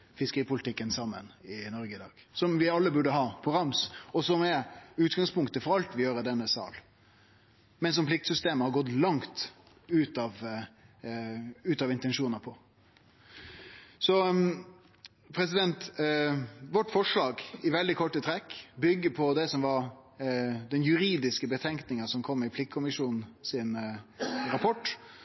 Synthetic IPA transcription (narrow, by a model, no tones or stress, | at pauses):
fɪskəɾiːpʊlɪt̪ʰɪkːənsɑmːə̰nɪnɔɾɡəɪd̪ɑ̰ːɡ̥sɔmʋɪɑlːəbʉɖəɦɑːpʰɔɾɑmsɔsɔmɛʉːt̪ɡɑŋspʊŋkt̪əfɔɾɑlt̪ʋɪjøːɾəd̪ɛnːəsɑ̰ːl | mɛns̬ɔmpʰlɪk̚t̪sʏst̪eːməhɑɾɡɔt̪ːlɑŋt̪ | ʉːt̪ɑʋ | ʉːt̪ɑʋɪnt̪ɛnʂuːnəpʰɔ | sɔ | pʰɾɛsɪd̪ɛnt̪ | ʋɔʈːfɔʂɭɑːɡɪʋɛld̪ɪkʰɔʈːət̪ʰɾɛkːbʏɡːəpʰɔd̪ɛsɔmʋɑɾ | d̪ɛnjʉɾiːd̪ɪskəbət̪ʰɛŋknɪŋəsɔmkʰɔmːɪpʰlɪkʰːʊmɪʂuːnn̩sɪn | ɾɑpʰɔʈː